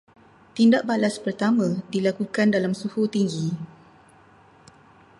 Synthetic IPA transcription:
t̪indaʔ̚balaspərt̪amãdilakukandalamsuhut̪iŋɡi

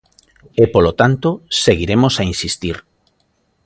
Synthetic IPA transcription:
epolot̪ant̪oseɣiɾemosainsist̪iɾ

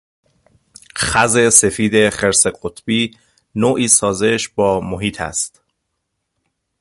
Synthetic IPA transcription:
xæzese̞fiːd̪e̞χeɾse̞ɢot̪ʰb̥iː | noːʔiːsɒːzeʃbɒːmoɦiːt̪ʰæ̰st̪

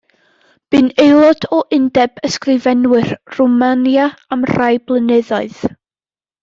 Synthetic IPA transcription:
b̥ɨnejlˠɔd̥ɔʔɪndɛbəskrɪvɛnwɨrrumanjaamr̥ajblˠənɛðɔɨð̥

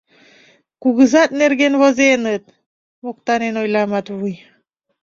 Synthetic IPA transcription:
kuɣɯzat̪̚neɾɡenβozenət̪̚ | mok̚t̪anenojlamat̪βuj

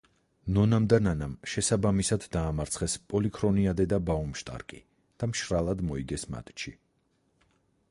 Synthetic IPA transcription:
nɔnamd̪ananamʃɛsabamisad̪ːaːmaɾt̪sʰχɛspʼɔlikʰɾɔniad̪ɛd̪abaumʃt̪ʼa̰ɾkʼi | d̪̥amʃɾalˠad̪mɔiɡɛsma̰t̪ʼt͡ʃʰi

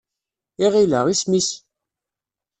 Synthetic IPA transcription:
iʁiləʁismis

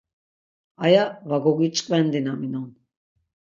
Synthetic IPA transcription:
ajavaɡoɡit͡ʃʼkʼvɛnd̪inaminɔn

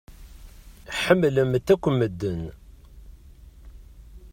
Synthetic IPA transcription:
ħəmːləmt̪ːækʷːəməd̪ːən

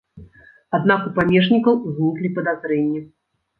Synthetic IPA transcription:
ad̪nakupamʲɛʐnʲikɐwzʲnʲiklʲipɐd̪azɾɛnʲːɛ

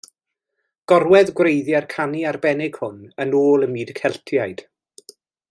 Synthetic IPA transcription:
ɡ̥ɔrwɛðɡwrejðjarkʰaniarbɛnɪɡ̥hʊnənoːlˠənmiːdkʰɛlˠtʰjajd̥

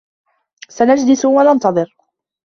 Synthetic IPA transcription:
sanad͡ʒd̪isuwanɑnt̪ɑðˤɨɾ

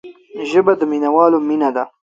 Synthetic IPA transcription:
ʒəbad̪əminawɑːlominad̪a

